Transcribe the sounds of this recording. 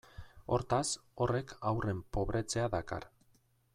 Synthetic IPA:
o̞̰ɾt̪aso̞re̞kʰawre̞mpo̞βɾʔe̞t͡se̞aðaka̰ɾ

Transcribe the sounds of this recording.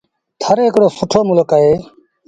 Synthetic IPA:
t̪ʰəɾeːɦɪkɽoːsʊʈʰoːmʊləkaɦeː

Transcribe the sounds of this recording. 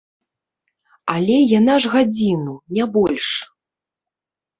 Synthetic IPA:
alʲɛjanaʐɣad͡zʲinunʲɛbɔlʲʂ

